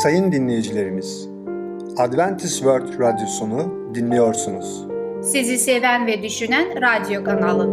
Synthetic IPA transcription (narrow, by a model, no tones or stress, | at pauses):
sajɯnd̪inlʲe̞jid͡ʒilʲe̞ɾimiz̥ | ad̪vænt̪ʰisvøɾt̪ɾad̪jo̞sunu | d̪inlʲejo̞ɾsunuz̥ | sizisevænvɛd̪yʃynænɾad̪jo̞kʰanalˠɯn